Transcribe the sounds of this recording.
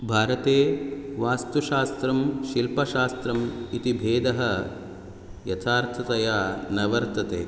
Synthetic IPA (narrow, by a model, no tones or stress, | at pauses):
bʱaːɾɐt̪eːʋaːst̪uʃaːst̪ɾɐmʃilpɐʃaːst̪ɾɐmit̪ibʱeːd̪ɐɦɐ | jɐt̪ʰaːɾt̪ʰɐt̪ɐjaːnɐʋɐɾt̪ɐt̪ḛː